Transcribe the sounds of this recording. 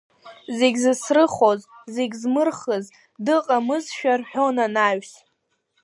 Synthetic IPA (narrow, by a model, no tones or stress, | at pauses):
zeɡʲzɨsrɨχo̞zzeɡʲzmɨrχəz | dɨqʼamɨzʃᶣarħᶣo̞nanaɥs